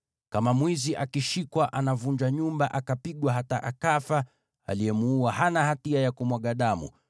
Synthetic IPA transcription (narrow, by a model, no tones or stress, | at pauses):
kamamwiziʔakiʃikwaʔanavuɲd͡ʒaɲumbaʔakapiɠwaɦataʔakafa | a̰liɛmuːahanahatiajakumwaɠaɗamṵ